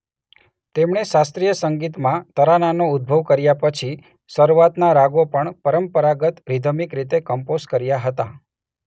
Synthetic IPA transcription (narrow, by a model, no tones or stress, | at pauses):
t̪emɳeʃast̪ɾijəsəŋɡit̪mãt̪əɾananoʊd̪̚bʱəʋkəɾjapət͡ʃʰi | səɾuʋat̪naɾaɡopəɳpəɾəmpəɾaɡət̪ɾid̪ʱəmikɾit̪ekəmpozkəɾjaɦət̪a